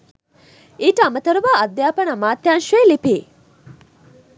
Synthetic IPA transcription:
iːʈɐɐmɐt̪ɐɾuʋaːɐd̪ːjaːpɐnɐmaːt̪ːjaːnʃueːlipeː

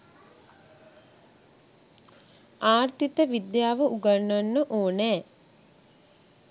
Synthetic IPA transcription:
aːrt̪it̪əʋid̪jaːʋəuɡanːanːəʔoːnɛː

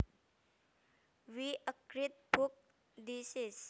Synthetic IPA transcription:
ʋiʔəkɾit̪̚bʱuk̚ | d̪isis

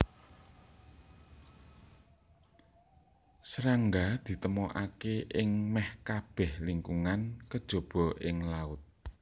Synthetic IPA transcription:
sɾaŋɡad̪̥i̤t̪əmɔʔakeʔɪŋmɛhkab̥ɛ̤hliŋkuŋankəd̥ʒ̥o̤b̥ɔ̤ʔɪŋlaʊt̪̚

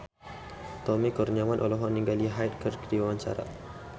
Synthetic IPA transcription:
t̪ɔmikurniamanʔolɔɦɔnːiŋɡaliɦajt̪̚kərkdiwawaɲt͡ʃa̰ɾa̰

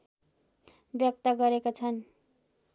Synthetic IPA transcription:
bjʌk̚t̪ʌɡʌɾekot͡sʰʌn

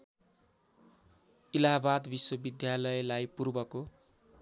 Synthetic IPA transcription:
ilaɦbad̪biswʌbid̪jalʌelajpurbʌko

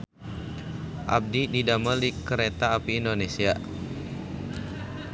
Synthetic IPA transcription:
ʔa̰b̚dididaməldikəɾet̪aːpiːndonesia

